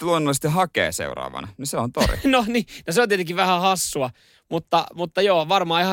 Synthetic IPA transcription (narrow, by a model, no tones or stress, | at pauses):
luonːolːist̪ehɑkḛːsḛurɑ̰ːʋɑ̰nɑniseont̪orḭnoniːnoseont̪iet̪eŋkiʋʋæhæhɑsːuɑ | mut̪ːɑmut̪ːɑjoːʋɑrmɑːihɑ